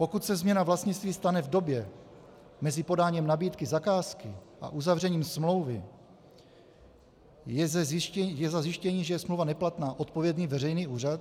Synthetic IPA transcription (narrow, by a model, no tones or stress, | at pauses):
po̞kut̪sɛzmɲɛnavlast̪ɲɪt͡st̪viːst̪anɛvdo̞bjɛ | mɛzɪpo̞daːɲimnabiːt̪kɪzakaːskɪʔa̰ʔuzavr̝ɛɲiːmsmlo̞wvɪ | jɛzzɛjɛzazjɪʃcɛɲiːʒɛjɛsmlowvanɛplat̪naːʔo̞t̪̚po̞vjɛdniːvɛrɛjniːʔuːrat̪